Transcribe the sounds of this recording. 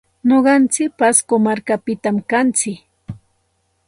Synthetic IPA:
noɢɑnt͡sɪk̚paskomaɾkapɪt̪amkant͡sɪk

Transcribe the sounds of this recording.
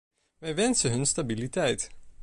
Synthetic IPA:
ʋɛjʋɛnsəɦɵnstabilitɛjt

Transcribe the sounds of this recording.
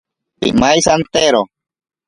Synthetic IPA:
pḭmajsant̪eɾo

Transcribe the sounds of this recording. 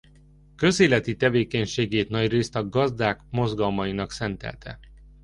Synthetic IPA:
kø̞zeːlɛt̪it̪ɛveːkɛɲʃeːɡeːt̪nɒɟreːst̪ɒɡɒzd̪aːkmo̞zɡɒlmɒjinɒksɛnt̪ɛ̰lt̪ɛ̰

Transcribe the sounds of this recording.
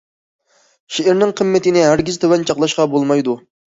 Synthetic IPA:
ʃeʔɪɾnɪŋqʰəmːɪt̪ɪnɪɦæɾɡʲizt̪ʰøwɛnt͡ʃʰɑqlˠɑʃqɑbolˠmɑjd̪u

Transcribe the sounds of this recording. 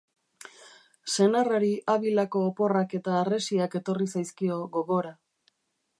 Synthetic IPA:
se̞naraɾiʔaβilako̞ːpo̞rake̞t̪aːre̞siake̞t̪o̞risajskio̞ɣo̞ɣo̞ɾa

